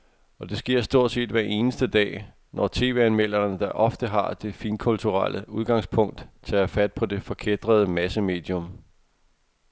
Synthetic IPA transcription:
ɒ̽d̥e̝sɡ̥e̝ɐ̰sd̥o̝ɐ̰d̥se̝̰ːd̥ʋæɐʔe̝ːnəsd̥əd̥ɛ̰ː | nʔɒt͡sʰe̝̰ːʋe̝ænmel̰ɐnəd̥ɑ̈ʔɒ̽fd̥əɦɑ̈d̥e̝fiːnkʰult͡sʰuʁɑlʔəuð̞ˠɡ̥ɑ̈ŋspʰɔ̽ŋ̰d̥t͡sʰɛæfæd̥̚pʰɒ̽d̥e̝fɒ̽kʰed̥ʁɐð̞ˠəmæsəme̝̰ːd̥jɔ̽m

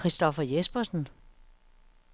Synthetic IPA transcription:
ʁisd̥ɒfɐjesb̥ɐsn̩

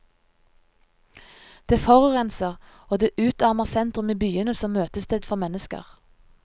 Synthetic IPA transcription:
d̪̥eːfɔʁʉʁɛnsəʁ | oːd̪eːʔʉːt̪ɑʁməʁsɛnt̪ʁʉmiːbyːənəsɔmmøːt̪əst̪øːd̪fɔmɛnəskə̰ʁ

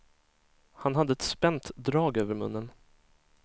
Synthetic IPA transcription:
hanɦad̪ːəɛt̪spɛnt̪d̪ɾɑːɡøːvəɾmɵnːən

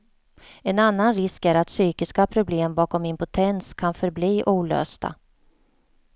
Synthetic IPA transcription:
ɛnanːanɾɪskæɾat̪syːkɪskapʰɾʊbleːmbɑːkɔmɪmpʊt̪ʰɛnskʰanfœɾbliːʔuːlø̰ːst̪a̰

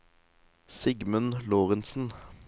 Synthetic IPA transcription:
sɪɡmʉnloːʁənsn̩

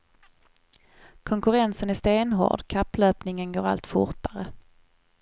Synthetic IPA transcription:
kʰɔŋkɵɾɛnsənæst̪eːnɦo̰ːɖkʰapːløːpnɪŋənɡoːɾa̰lt̪fʊ̰ɾʈaɾə

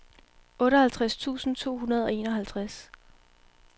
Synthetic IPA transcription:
ɔ̽ɾəhælt͡sʰʁast͡sʰṵːsn̩t͡sʰo̝̰ːɦunɐð̞ˠɒ̽e̝̰ːnɒ̽ɦælt͡sʰʁas

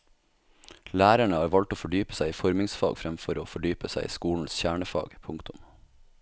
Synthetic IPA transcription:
læːɾæɳəhɑːɾʋɑlt̪oːfɔɖyːpə̥sæɪiːfɔɾmɪŋsfɑ̰ːɡfɾɛmfɔɾoːfɔɖyːpəsæɪḭːskuːln̩sçæːɳəfɑ̰ːɡpʰʊŋkt̪ʊm

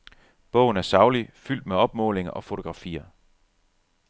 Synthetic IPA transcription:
b̥ɔ̽ʊ̰n̩æɐsɑ̈ʊlifyl̰d̥meɒ̽b̥mɔ̰̽ːle̝ŋɐʔɒ̽fo̝t͡sʰo̝ɡ̥ʁɑ̈fḭːɐ

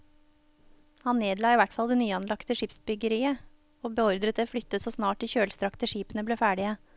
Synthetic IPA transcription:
hɑnneːd̪lɑːiːʋæʈfɑld̪eːnyːɑnlɑkt̪əʂɪpsbʏɡəɾiːə | oːbəɔɾd̪ɾət̪əflʏt̪ːət̪soːsnɑːʈ̚ːɪçøːlst̪ɾɑkt̪əʂiːpənəbleːfæːɖɪə

